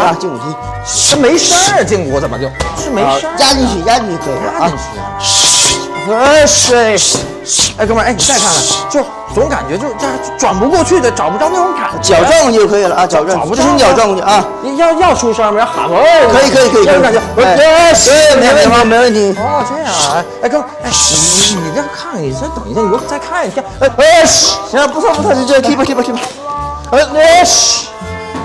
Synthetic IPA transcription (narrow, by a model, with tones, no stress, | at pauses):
a˧˩t͡ɕi˥˩ŋṵ˨˩i˥˩˥ | me˧˥ɪʂa˥ə˨t͡ɕi˥˧˩ŋ˩wɔ˧˥˩t͡sə˨˩mə̰˦t͡ɕjo˥˩ʊʂɻ̩˥˩me˧˥ʂa˥ja˥i˥˧ŋt͡ɕʰy˥˩˥ja˥i˥˩t͡ɕjo˥˩ʊkʰɤ˧˥i˨˩˧lə̰˥a˥i˥˩˧ŋʰy̰˧˩˧ | ʂe˥˩ɪ˥˩ | km˧˥˧ni˨˩t͡sa˥˧pʰa˥˩nə˨˩t͡ɕjo˥˩ʊ˩ʊ˧˥ŋka̰˨˩nt͡ɕɥɛ˧˥t͡ɕjo˥˧ʊʂa˥˩˥ʈ͡ʂwa˨˩npu˧˥kwɔ˥˧t͡ɕʰy˥˩d̪ə˩ʈ͡ʂɑ˨˩ʊpʈ͡ʂ̪ɑ˥˧ʊne˥˩ʈ͡ʂʊ˧˥ŋka̰˨˩t͡ɕjɑ˨˩ʊ˧ʈ͡ʂɑ˥˧ŋ˧˩t͡ɕjo˥˩ʊkʰɤ˧˥i˨˩lə˦a˧˩t͡ɕjɑ˨˩ʊʈ͡ʂŋ˩˥˧ʂ̩˥t͡ɕjɑ˨˩ʊʈ͡ʂɑ˥˧ŋ˥˧˩a˧˩˥jɑ˥˧ʊjɑ˥˩ʊʈ͡ʂʰu˥ʂə˥˧mə˧jɑ˥˧˩xa̰˧˩˧kʰɤ˧˥i˨˩kʰɤ˧˥i˨˩kʰɤ˧˥˨ka˨˩t͡ɕɛ˧˥˧me˧˥wə˥˩ni˧˥me˧˥wə˥˩nt̪ʰi˧˥ɔ˥˩t̪wa˧˥˩ɪ˥˩kɤ˥ŋ˩e˥˩ɪ˨˩˧ni˨˩jkʰa˥˩ni˨˩ɕt̪ə˨˩ŋi˧˥˩jt͡sa˥˧ɪkʰa˥˩nʰ˨˩i˥˩e˥˧˥a˥˧pu˥t̪ʰa˥˧pu˥˩˥k̪ʰi˥pʰkʰi˥pkʰi˥pʰa˥